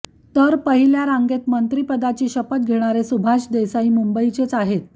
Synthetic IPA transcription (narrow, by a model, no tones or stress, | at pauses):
t̪əɾpəɦiljaɾaŋɡet̪mənt̪ɾiːpəd̪at͡ɕiːɕəpət̪̚ɡʱeɽ̃aɾesubʱaɕd̪esaiːmumbəit͡ɕet͡saɦet̪̚